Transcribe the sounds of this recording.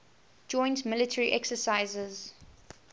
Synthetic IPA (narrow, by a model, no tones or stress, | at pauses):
d͡ʒɔ̃ɪ̃ntmɪlɪtʰəɹiʔɛksəsaɪzəz